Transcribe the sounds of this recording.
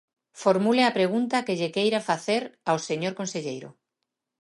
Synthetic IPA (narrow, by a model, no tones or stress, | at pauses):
foɾmuleapɾeɣ̞unt̪akeʎekejɾafaθeɾawseɲoɾkonseʎejɾʊ̰